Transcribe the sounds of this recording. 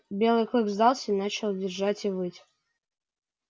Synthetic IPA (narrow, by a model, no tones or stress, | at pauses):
bʲe̞lˠɨjklˠɨkvzd̪alˠsʲəinat͡ɕɪlˠdʲɪrʐatʲivɨtʲ